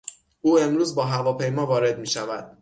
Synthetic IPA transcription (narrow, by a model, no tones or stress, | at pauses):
ʔuːe̞mɾuːzbɒːɦævɒːpʰe̞jmɒːvɒːɾe̞d̪̚miːʃævæd̪̥̚